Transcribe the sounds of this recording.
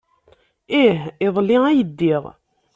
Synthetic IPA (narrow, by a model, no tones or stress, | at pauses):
ihɪðˤlːiæjəd̪ːiʁ